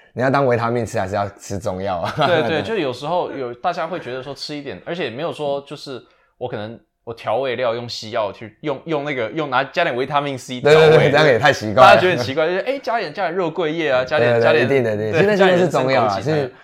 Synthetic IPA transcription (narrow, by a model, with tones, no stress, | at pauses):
ni˨˩jt̪ɑ˥ŋwe˧˥ɪt̪ʰa˥mi˥˩ŋʈ͡ʂ̩ʰ˥ja˥˩ʂ̩˥˩jɑ˥˩ʊʈ͡ʂʰɻ̩˥t͡sʊ˥˧ŋjɑ˥˨˩ʊ˨˩e˥˧ɪwe˥˩t͡ɕo˥˧ʊʂɻ̩˥jo˨˩ʊʂɻ̩˧˥xo˥˧ʊjo˨˩ʊt̪a˥˩t͡ɕja˥xwe˥˩ɪt͡ɕɥɛ˧˥d̪ə˧ʂwɔ˥ʈ͡ʂʰɻ̩˥i˥˧t̪jɛ˨˩nə˞˧˥t͡ɕʰjɛ˨˩me˧˥jo˨˩ʊʂwɔ˥t͡ɕjo˥˧ʊʂɻ̩˥˩ | wɔ˦˥kʰɤ˨˩nɤ˧˦ŋ | wɔ˨˩t̪ʰjɑ˧˥ʊwe˥˧ɪljɑ˥˧ʊjʊ˥˩ŋɕi˧˥jɑ˥˩ʊ˩t͡ɕʰy˥˧jʊ˥˧ŋjʊ˥˧ŋna˥˩ɡə˩jʊ˥˩ŋna˧˥t͡ɕa˥t̪jnwe˧˥ɪt̪ʰa˥mi˥˩ŋsi˥˧we˥˨e˥˧t̪we˥˧˥jɛ˨˩t̪ʰa˥˩ɪt͡ɕʰi˨˧˥kwa˥a˥˨a˥˩t͡ɕ̪ə˧˨˩t͡ɕi˧˥kwt͡ɕo˥˩˥ʔe˥˩ɪt͡ɕja˥t̪jɛ˨˩nt͡ɕa˥jɛ˧˩nɻɤ˥˧kwe˥˧ɪjɛ˥˩ɐ˩t͡ɕja˥jɛ˨˩˧ja˥jt̪i˥˧˨t̪i˥˩we˥˩a˥˧ʂɻ̩˥˧t͡sʊ˥˧ŋjɑ˥˨a˨˩˧